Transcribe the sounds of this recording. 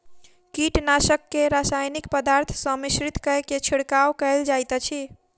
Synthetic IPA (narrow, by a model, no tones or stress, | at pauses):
kiʈnasəkːeɾasajnikpəd̪aɾt̪ʰsə̃misɾit̪kəeket͡ʃʰiɽkawkəɪld͡ʒajt̪t͡ʃʰi